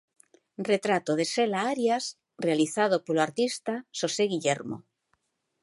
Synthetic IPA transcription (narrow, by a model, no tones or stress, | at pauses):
ret̪ɾat̪oðeselaaɾjas | realiθað̞opoloaɾt̪ist̪aʃoseɣiʎɛɾmo̰